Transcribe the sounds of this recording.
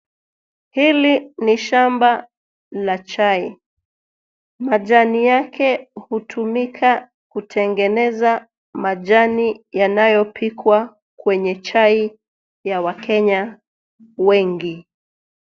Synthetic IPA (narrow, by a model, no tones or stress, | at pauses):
hiliniʃamba | lat͡ʃai | maʄanijakɛhutʰumikʰa | kutʰɛŋɡɛnɛza | maʄanijanajɔpʰikʰwa | kwɛɲɛt͡ʃai | jawakɛɲa | wɛŋɡi